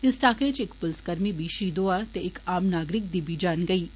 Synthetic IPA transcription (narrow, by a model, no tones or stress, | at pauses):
ɪsʈaːkeːd͡ʒɪkpʊlskəɾmibiːʃiːd̪oat̪eɪkaːmnaːɡɾɪk̚d̪ibid͡ʒaːnɡɐiː